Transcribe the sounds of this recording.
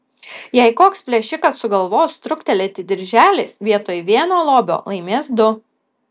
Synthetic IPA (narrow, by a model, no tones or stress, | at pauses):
jɛɪkoːkspʲlʲɛʃʲɪkɐsːʊɡɐlˠʋoːst̪ɾʊkt̪ʲɛlʲɛt̪ʲɪd̪ʲɪɾʲʒʲæːlʲeːsʋʲiɛt̪oːjʋʲiɛnoːlˠoːbʲo̰ːlˠɐɪmʲeːsd̪ʊ